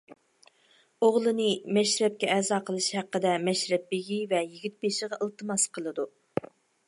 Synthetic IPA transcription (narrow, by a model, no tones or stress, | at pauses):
oʁlˠɨnɨmɛʃɾɛp̚kʲɛːzɑːqʰəlˠɨʃhæqːəd̪ɛmɛʃɾɛp̚ːeɡʲivɛjiɡʲit̪̚beʃəʁɑʔəlˠt̪ʰɨmɑsqʰəlˠɨd̪u